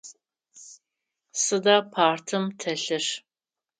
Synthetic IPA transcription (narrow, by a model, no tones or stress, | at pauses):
sɨdaːpʰaːrtʰɨmtʰɐɬɨʂ